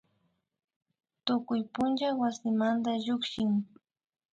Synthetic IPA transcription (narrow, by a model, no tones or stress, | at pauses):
t̪ʊkʊjpʊnd͡ʒawasɪmand̪aʎʊkʃɪŋ